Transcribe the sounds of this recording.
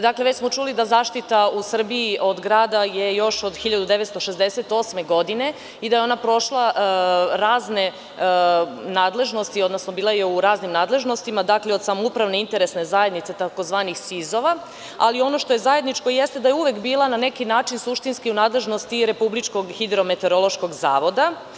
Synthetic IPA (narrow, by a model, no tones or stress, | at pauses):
d̪akleʋet͡ɕsmo̞t͡ʃulid̪azaːʃt̪it̪ausr̩biiʔo̞d̪ɡɾaːd̪aje̞jo̞ʃo̞d̪xiʎad̪ud̪eʋet̪st̪oʃezd̪ese̞t̪o̞ːsmeɡo̞d̪ine̞ | id̪ajeo̞napɾo̞ʃlˠa | ɾaːzne̞ | naːd̪le̞ʒno̞st̪iod̪nosnobiːlˠajeuɾaːznimnaːd̪lˠe̞ʒno̞st̪imad̪akleo̞d̪samoupɾaʋneint̪e̞ɾe̞sne̞zajed̪nit̪se̞t̪akozʋaːnixsizo̞ʋa | a̰lio̞no̞ʃt̪o̞jezajed̪nit͡ʃko̞jest̪e̞d̪ajeuʋekbiːlˠanane̞kinaːt͡ʃinsuʃt̪inskiunaːd̪le̞ʒnost̪iɾe̞publit͡ʃko̞ɡxid̪ɾo̞met̪eɾolˠo̞ʃko̞ɡzaːʋo̞d̪a